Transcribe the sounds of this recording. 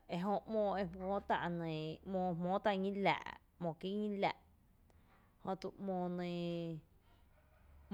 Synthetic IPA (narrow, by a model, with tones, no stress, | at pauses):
e˧ɦo˧ʔmõː˧˨e˧mõː˦t̪a̰˧ʔnẽ˨mõː˧˨mõː˦t̪a˧ʔŋĩ˦la̰ː˧˨ʔ | mõ˨ki˦ŋĩ˦la̰˨ʔ | hõ˧t̪u˧˨ʔmõː˧˨nẽ˧˨